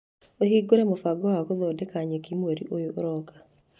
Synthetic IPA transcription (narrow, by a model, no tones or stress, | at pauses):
oɦiɡoɾɛmofaɡɔakoðɔdɛkaɲekimwoɾḭʔojoʔoɾɔkḁ